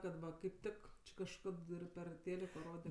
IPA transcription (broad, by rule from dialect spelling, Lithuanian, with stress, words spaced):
kɐt ˈʋɐ kɐɪp ˈtʲɪk t͡ʃʲɪ kɐʃˈkɐt ˈɪr ˈpʲɛr ˈtʲeːlʲɪkoː ˈroːdʲɛ